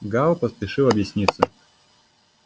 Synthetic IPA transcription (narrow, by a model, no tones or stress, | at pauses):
ɡalˠpəspʲɪʂɨlˠɐbjɪsʲnʲit̪sə